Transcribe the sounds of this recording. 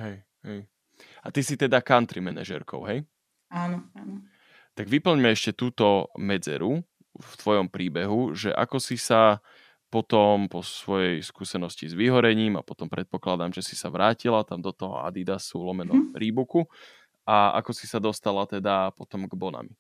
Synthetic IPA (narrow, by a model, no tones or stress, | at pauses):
ɦɛj | ɦɛj | at̪isit̪ɛd̪akant̪ɾimɛna̰ʒɛ̰ɾkɔ̰ʊɦɛj | aːnɔaːnɔ | t̪aɡʋipl̩ɲmɛɛʃcɛt̪uːt̪ɔmɛd͡zɛ̰ɾu | ft̪ʋɔjɔmpɾiːbɛɦuʒɛ̰ʔa̰kɔsisa | pɔt̪ɔmpɔsʋɔjɛjskuːsɛnɔscizʋiɦɔɾɛɲiːma̰pɔt̪ɔmpɾɛt̪̚pɔklad̪amʒɛsi̥saʋɾaːcilat̪amd̪ɔt̪ɔɦɔ̰a̰d̪id̪asulɔmɛnɾiːbuku | aa̰kɔsisad̪ɔst̪alat̪ɛd̪apɔt̪ɔmɡbɔna̰mi